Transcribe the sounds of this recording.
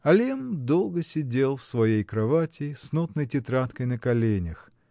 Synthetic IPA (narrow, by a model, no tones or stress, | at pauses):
ɐlʲemd̪o̞lˠɡəsʲɪdʲelˠfsvɐjejkɾɐvatʲɪsnut̪nəjtʲɪt̪ɾat̪kəjnəkɐlʲenʲɪx